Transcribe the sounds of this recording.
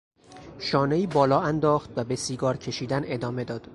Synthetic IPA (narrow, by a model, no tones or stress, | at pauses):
ʃɒːneiːbɒːlɒːænd̪ɒːxt̪væbe̞siːɡɒːɾcʰe̞ʃiːd̪æne̞d̪ɒːme̞d̪ɒːd̪̥